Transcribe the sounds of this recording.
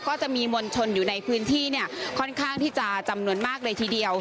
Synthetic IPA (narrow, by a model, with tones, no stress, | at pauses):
kɔː˥˩t͡ɕa˨˩ʔmiː˧mo˧nt͡ɕʰo˧njuː˨˩na˧jpʰɯː˦˥nt̪ʰiː˥˩ni˥˩ɐkʰɔ˥˩nkʰaː˥˩ŋt̪ʰiː˥˩t͡ɕa˨˩t͡ɕa˧mnu˧ənmaː˥˩k̚dɤː˧jt̪ʰiː˧di˧əw